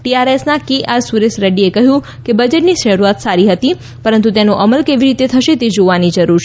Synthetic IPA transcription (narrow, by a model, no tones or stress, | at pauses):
ʈiaɾesnakiʔaɾsuɾesɾəɖiekəɦjũ | kebəd͡ʒeʈniʃəɾuat̪saɾiɦət̪i | pəɾənt̪ut̪enoʔəməlkeʋiɾit̪et̪ʰəʃet̪ed͡ʒoʋanid͡ʒəɾuɾʃ